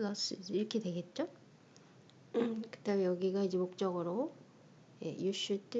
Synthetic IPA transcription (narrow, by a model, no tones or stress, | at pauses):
lʌs͈ɯiɾʌkʰedwe̞ɡe̞t̚t͡ɕ͈o | kɯt͈eumjʌɡiɡaid͡ʑemok̚t͡ɕ͈ʌɡɯɾo | je̞̰juɕɯɭt͈